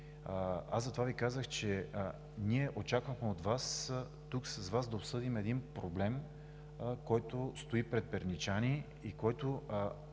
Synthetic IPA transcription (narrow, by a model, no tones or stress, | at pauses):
azɐt̪ovavikazəxt͡ʃɛ | niɛʔot͡ʃakvəxmɛot̪vas | t̪uksɐzvazd̪ɐopsɤd̪imɛd̪inpɾoblɛm | kɔjt̪ost̪oipɾɛt̪̚pɛɾnit͡ʃani | ikɔjt̪o